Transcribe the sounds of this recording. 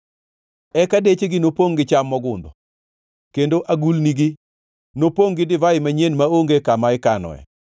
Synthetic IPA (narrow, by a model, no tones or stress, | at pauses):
ɛkadet͡ʃeɡɪnopoŋɡɪt͡ʃamːɔɡʊnd̪ɔ | kendoʔaɡulniɡɪ | nopoŋɡɪdɪvaɪmaɲenmaoŋɡekamaɪkanɔ̰ɛ̰